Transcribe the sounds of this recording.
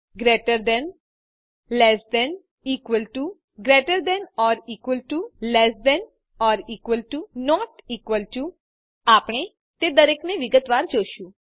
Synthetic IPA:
ɡɾeʈəɾd̪ɛ̃n | lɛsd̪ɛn | iːkʋəlʈu | ɡɾeʈəɾd̪ɛnɔɾiːkʋəlʈulɛsd̪ɛn | ɔɾiːkʋəlʈunɔʈiːkʋəlʈu | apɳ̃e | t̪ed̪əɾekneʋiɡət̪ʋand͡ʒoʃũ

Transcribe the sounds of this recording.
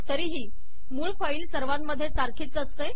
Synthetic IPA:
t̪əɾiːɦiː | muːɭfəiːlsəɾʋãnməd̪ʱːjet͡saɾkʰiːt͡səst̪e

